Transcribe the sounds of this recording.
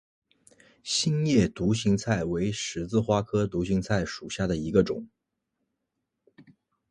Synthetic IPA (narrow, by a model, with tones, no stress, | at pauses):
ɕi˥njɛ˥˩t̪u˧˥ɕi˧˥ŋt͡sʰa˥˩ɪwe˧˥ɪʂɻ̩˧˥t͡sɹ̩˥˧xwa˥kʰɤ˥t̪u˧˥ɕi˧˥ŋt͡sʰa˥˩ɪʂu˨˩ɕja˥˩d̪ə˩i˧˥ɡə˧ʈ͡ʂʊ˨˩˦ŋ